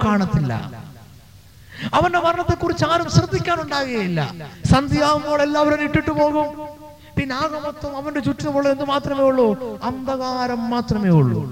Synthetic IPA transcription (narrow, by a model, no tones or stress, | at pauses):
kaːɳɐt̪ːilːɐ̰ | ɐʋɐnde̞pɐrɐnɐt̪ːekːurit͡ɕːaːɾumɕrɐd̪ːikʲːaːnuɳɖaːɣɐɣɐjilːɐ̰sɐnd̪ijaːʋumoːɭelːaːʋɐɾoniʈːiʈːupo̞ːɣum | pinːaːɣɐmot̪ːɐmɐʋɐndet͡ɕuʈːinumoːɭːend̪ɨmaːt̪rɐme̞ːjuɭːoɐnd̪ɐɣaːɾɐmːaːt̪rɐmeːuɭːṵ